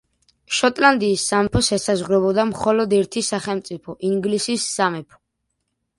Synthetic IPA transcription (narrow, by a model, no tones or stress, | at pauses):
ʃɔt̪ʼland̪iːsːamɛpʰɔsɛsazʁɾɛbɔd̪amχɔlɔd̪ɛɾt̪ʰisaχɛlˠmt̪sʼipʰɔʔiŋɡlisisːamɛpʰɔ̥